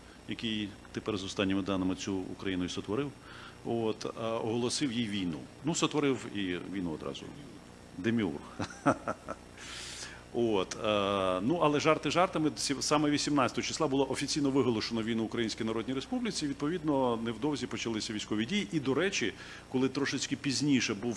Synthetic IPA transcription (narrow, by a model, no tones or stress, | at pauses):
jɐkɪjt̪epɛɾzɔst̪ɑnʲːɪmɪd̪ɑnɪmɪt͡sʲṵːkɾɐjinʊisɔt̪ʋɔɾɪw | ot̪ɔɦɔlˠɔsɪwjijʋʲijnṵ | nusɔt̪ʋɔɾɪwiʋʲijnuɔd̪ɾɑ̰zʊ̰ | d̪emʲiṵr | ot̪nuʔɐlˠɛʒɑrt̪ɪʒɑrt̪ɐmɪsʲsɑmɛʋʲisʲimnɑt͡sʲɐt̪ɔɦɔt͡ʃɪ̥sˠɑbʊlˠɔʔɔfʲit͡sʲijnɔʋɪɦɔlˠɔʃonɔʋʲijnuʊkɾɐjinʲsʲkʲijnɐɾɔdʲnʲijɾespublʲit͡sʲiʋʲid̪̚pɔʋʲid̪nɔnɛwd̪ɔwzʲipɔt͡ʃɐlˠɪsʲɐʋʲijsʲkɔʋʲidʲijiʔid̪ɔɾɛt͡ʃʲi | kɔlˠɪt̪ɾɔʃɪt͡sʲkɪpʲizʲnʲiʃɛbuw